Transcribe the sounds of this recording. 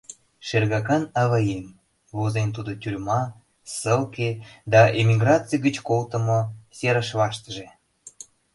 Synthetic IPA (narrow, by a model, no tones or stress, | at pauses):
ʃerɣɑkɑnɑβɑjem | vozent̪̬ud̪ot̪ʲyrʲmɑ | səlked̪ɑʔemʲiɡrɑt͡sijɡət͡ɕkolt̪ə̆mosʲeɾəʃβɑʃt̪əʒe